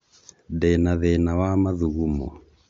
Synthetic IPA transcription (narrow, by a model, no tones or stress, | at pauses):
dɛnaðɛnawamaðuɣumɔ̰